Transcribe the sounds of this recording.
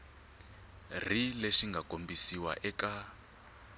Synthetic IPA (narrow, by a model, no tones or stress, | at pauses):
r̤ileʃiŋɡʱakombisiwa̰ʔɛka